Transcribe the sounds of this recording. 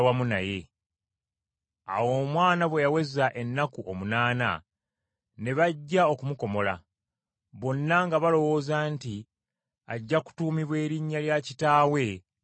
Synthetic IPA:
wamunaje̞ | a̰wo̞ːmwaːnaβwe̞jawe̞zaʔe̞nːakuʔo̞munaːna̰ | ne̞βaɟːao̞kumuko̞mo̞la̰ | βo̞nːaŋɡaβalo̞wo̞ːzaːnti | aɟːaku̥tuːmiβwe̞ːɾiɲːaljacitaːwe̞

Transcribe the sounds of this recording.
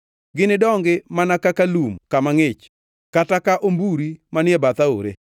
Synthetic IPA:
ɡɪnɪdɔŋɡɪmanakakalumkamaŋɪt͡ʃ | katakaʔombuɾimanɪebat̪ao̰ɾḛ

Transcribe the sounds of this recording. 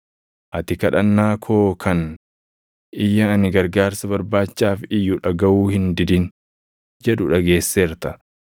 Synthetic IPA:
ʔɐt̪ɪkɐᶑɐnːaːkʰo̞ːkʰɐn | ɪjːɐːnɪɡɐɾɡaːɾsɐβɐɾbaːt͡ʃːaːfɪjːʊᶑɐɡɐʔuːhɪnd̪ɪd̪ɪn | d͡ʒɛᶑʊᶑɐɡe̞ːsːe̞ːɾt̪ɐ

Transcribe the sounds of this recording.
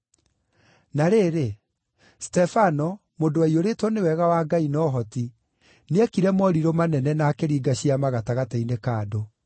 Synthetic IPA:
naɾeːɾe | stɛfanɔ | mondoaioɾetwɔnewɛɣawaːɡainɔːɦɔti | neɛkiɾɛmɔɾiɾɔmanɛnɛnaːkeɾiːɡaɕiamaɣataɣatainekaːdo

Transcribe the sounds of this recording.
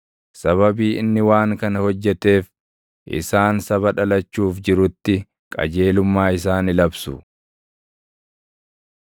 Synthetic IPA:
sɐβɐbiːɪnːɪwaːŋkɐnɐhɔd͡ʒːɛt̪e̞ːf | ʔɪ̰saːnsɐβɐᶑɐlɐt͡ʃːuːfd͡ʒɪɾʊt̪ːɪ | kʼɐ̰d͡ʒe̞ːlʊmːaːɪs̬aːnɪlɐbsʊ

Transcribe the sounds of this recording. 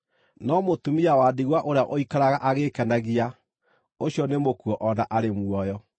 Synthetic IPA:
nɔmotumiawadiɣwaʔoɾeaʔoikaɾaɣaʔaɣekɛnaɣia | oɕjɔnemokuɔʔɔnaʔaɾemwɔjɔ

